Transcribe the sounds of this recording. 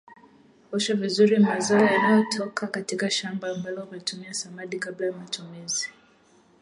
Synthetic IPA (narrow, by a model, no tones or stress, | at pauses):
ɔʃavizuɾimazaɔjanajɔtʰɔkʰakatikaʃambaːmbalɔmatumiasamaɗikablajamatʰumizi